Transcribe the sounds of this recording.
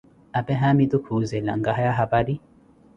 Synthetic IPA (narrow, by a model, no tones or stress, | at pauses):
apɛɦamit̪ukʰuzɛla̰ŋɡaɦajaɦapadi